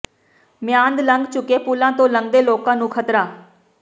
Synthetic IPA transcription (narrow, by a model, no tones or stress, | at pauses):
mjãːnd̪ləŋɡt͡ʃʊkeːpulãːt̪õːləŋɡd̪eːloːkãːnũːkʰət̪ɾaː